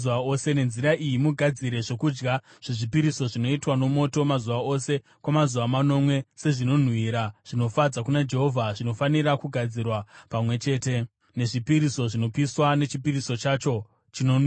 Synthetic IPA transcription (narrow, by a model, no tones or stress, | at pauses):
uʋaose̞ne̞nziɾaʔijimuɡʱad͡ziɾe̞ʐo̞kud͡ʒɡa | ʐ̥eʐipiɾiso̞ʐino̞itwano̞mo̞to̞mazuʋao̞se̞ | kwamazuʋamano̞mwe̞se̞ʐino̞n̤wiɾaʐ̥ino̞fad͡zakunad͡ʒe̞ɦo̞vʱaʐino̞faniɾakuɡʱad͡zirwapamwe̞t͡ʃe̞ːte̞ | ne̞ʐipiɾiso̞ʐino̞piswane̞t͡ʃipiriso̞t͡ʃat͡ʃo̞ | t͡ʃinonw